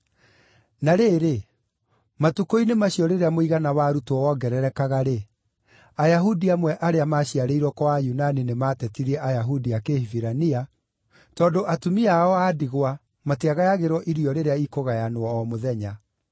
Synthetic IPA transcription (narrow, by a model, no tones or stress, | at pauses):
naɾeːɾe | matukoinemaɕiɔɾeɾeamoiɣanawaɾutwɔwɔɡɛɾɛɾɛkaɣaɾe | ajaɦudiamwɛʔaɾeamaɕiaɾeiɾwɔkɔwajunaninematɛtiɾɛʔajaɦudiakehiviɾania | tɔːndoʔatumiaɔaːdiɣwa | mateaɣajaɣeɾwɔʔiɾiɔɾeɾeaikoɣajanowɔːmoðɛɲa